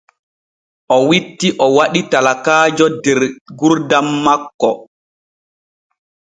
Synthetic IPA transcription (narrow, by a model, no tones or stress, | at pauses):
ʔɔwitːiʔɔwaɗitalakaːd͡ʒɔdɛɾɡuɾdamːakːɔ